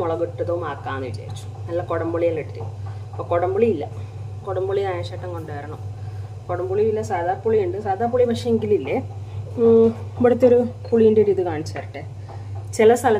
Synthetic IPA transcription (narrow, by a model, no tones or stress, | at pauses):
oɭɐɣiʈːɐðɐʋumaːkːaːnniʋit͡ɕa̰ːɾit͡ɕːu̥nɐlːɐkoɽɐmbuɭijaleʈːit̪ːḭɐpːoːkoɽɐmbuɭiilːɐ | koɽɐmbuɭiaeʂaːʈːɐŋko̞ɳɖeːɾɐɳu | koɽɐmbuɭiʋilːɐsaːd̪aːrpuɭijuɳɖɨsaːd̪aːrpuɭipɐʂɐeŋɡililːe | iʋɐɽɐt̪ːoɾupuɭijundeɾiːðɨkaːɳit͡ɕːaːɾiʈːɨ | t͡ɕilɐst̪ʰɐlɐ